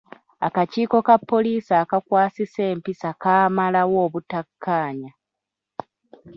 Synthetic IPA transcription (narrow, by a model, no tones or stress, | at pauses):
akaciːko̞kapːo̞liːsaːkakwaːsise̞ːmpisakaːmalawo̞ːβutakʰːaːɲa